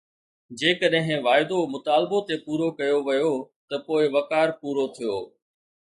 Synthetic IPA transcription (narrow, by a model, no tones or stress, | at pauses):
d͡ʑeːkəɗɦɪ̃ʋaːɪd̪omʊt̪aːlbot̪epuːɾokɐjoʋɐjot̪ɐpoːɪʋɐkaːɾpuːɾot̪ʰijoː